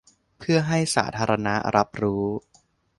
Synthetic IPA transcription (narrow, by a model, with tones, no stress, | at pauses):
pʰɯ˥˩ɐɦa˥˩jsa̰ː˩˦t̪ʰaː˧ɾa˧na˦˥ɾʔa˦˥p̚ɾuː˦˥